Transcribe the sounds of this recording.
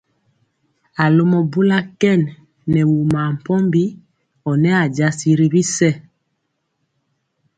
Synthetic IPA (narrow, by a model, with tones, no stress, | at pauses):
a˨lo˦mɔ˨bu˦la˦kɛ˦˨nː | ɛ˨wu˨ma˨m̩˨pɔ˦mbi˦ | ɔ˨nɛ˦a˨d͡ʒa˨si˨ɾi˦βi˦sɛ˦